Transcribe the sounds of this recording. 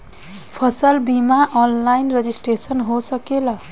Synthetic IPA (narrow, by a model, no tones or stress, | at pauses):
pʰʌsʌlbimaʔʌnlajnred͡zisʈresʌnɦosʌkelʌ